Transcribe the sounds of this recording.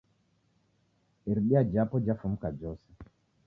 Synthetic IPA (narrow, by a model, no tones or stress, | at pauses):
iɾiɓiad͡ʒapɔd͡ʒafum̩kad͡ʒɔsɛ